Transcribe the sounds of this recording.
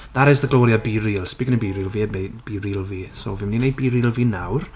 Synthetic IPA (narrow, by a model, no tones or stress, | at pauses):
ðaɾɛsðəɡlˠɔɾjabiɾilˠspikɪnəbiɾiːlˠviːmeb̥iɾilˠviːso̰vɪmninej̚biɾilˠviːnawr